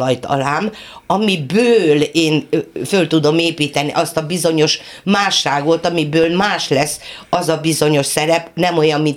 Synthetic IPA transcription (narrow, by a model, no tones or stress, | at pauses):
ɒjt̪ɒ̰laːm | ɒmibøːleːnfølt̪ud̪o̞meːpiːt̪ɛniʔɒst̪ɒbizo̞ɲo̞ʃ | maːʃraːɡʋo̞lt̪ɒmibøːlmaːʃlɛsːɒzɒbizo̞ɲo̞ʃsɛɾɛpnɛmo̞jɒmːin